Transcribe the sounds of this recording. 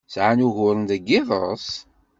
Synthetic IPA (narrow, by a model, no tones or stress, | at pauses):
sʕanuʝʊɾˤənd̪æɡːɪðˤə̰s